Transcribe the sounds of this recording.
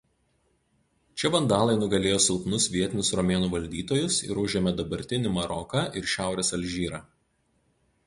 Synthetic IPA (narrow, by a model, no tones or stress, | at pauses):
t͡ʃʲɛbɐnd̪ɑːlˠɐɪnʊɡɐlʲeːjoːsʲɪlˠpnʊsʋʲiɛt̪ʲɪnʲʊsɾɔmʲeːnuːʋɐlʲd̪ʲiːt̪oːjʊsɪ̰ɾʊʒʲeːmʲɛd̪ɐbɐɾʲt̪ʲɪnʲɪmɐɾɔkɑːʔɪɾʃʲæˑʊɾʲeːsɐlʲʒʲiːɾɑː